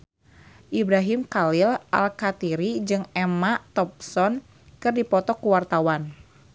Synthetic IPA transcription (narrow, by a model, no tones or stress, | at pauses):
ʔibɾaɦimkalɪlʔa̰lkat̪iɾid͡ʒɨŋɛmat̪ɔp̚sɔn | kɨrdipɔt̪ɔkuwart̪awan